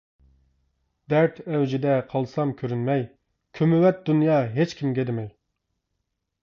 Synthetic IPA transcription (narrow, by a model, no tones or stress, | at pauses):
d̪̥æɾt̪ʰɛwd͡ʒid̪ɛqʰɑlˠsɑmkʲʰøɾynmɛj | kʲʰømywɛt̪̚d̪unjɑːɦet͡ʃkʲʰimɡʲɛd̪ɪmɛj